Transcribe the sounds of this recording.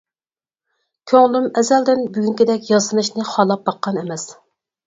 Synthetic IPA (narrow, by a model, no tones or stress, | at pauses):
kʲʰøŋlymɛzɛld̪ɪnbyɡʲyŋkʲid̪ɛkʲjɑsɨnɨʃnɨχɑlˠɑp̚bɑqːɑnɛmɛs